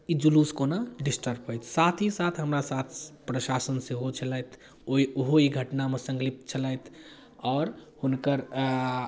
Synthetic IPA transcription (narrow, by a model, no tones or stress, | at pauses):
id͡ʒuluskonaɖisʈəɾbɦɔjt̪ʰsat̪ʰisat̪ʰɦəmɾasat̪ʰpɾəʃasənseɦot͡ʃʰəlajt̪ʰ | oioɦoiɡʱəʈnamesə̃ŋɡlip̚t͡ʃʰəlajt̪ʰ | ɔːɾhunkəɾ